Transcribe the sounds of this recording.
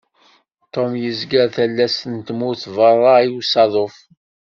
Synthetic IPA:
t̪ːomjəzɡəɾθælːæsənt̪muθvərˤɑiwsɑðˤof

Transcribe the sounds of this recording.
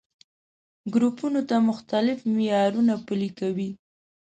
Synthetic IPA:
ɡɾupunot̪amʊxt̪alɪfmɪjɑɾunapəlikawi

